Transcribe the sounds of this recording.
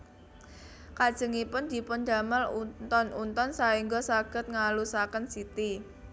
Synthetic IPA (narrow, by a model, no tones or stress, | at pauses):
kad̥ʒ̥ə̤ŋipʊnd̪̥i̤pʊnd̪̥a̤məlut̪ɔnunt̪ɔnsaiŋɡɔsaɡ̥ə̤t̪̚ŋalusakənsit̪i